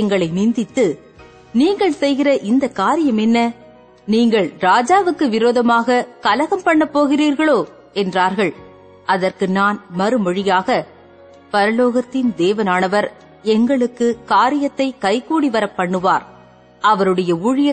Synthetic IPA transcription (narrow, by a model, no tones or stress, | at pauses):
ɛŋɡɐɭɐɪnɪnd̪ɪt̪ːɯ | niːŋɡɐɭsɛjɣɪrɐʔɪnd̪ɐkːaːɾɪjɐmɛnːɐ | niːŋɡɐɭɾaːd͡ʒaːʋɯkːɯʋɪɾoːðɐmaːɣɐkɐlɐɣɐmpɐɳːɐpːoːɣɪriːɾɣɐɭoː | ɛndraːɾɣɐɭ | ʔɐðɐrkɯnaːnmɐɾɯmɔɻɪjaːɣɐ | pɐɾɐloːɣɐt̪ːɪnd̪eːʋɐnaːnɐʋɐɾ | ɛŋɡɐɭɯkːɯkaːɾɪjɐt̪ːɐɪkɐɪkːuːɽiʋɐɾɐpːɐɳːɯʋaːɾ | ʔɐʋɐɾɯɽɐjɐuɻɪjɐ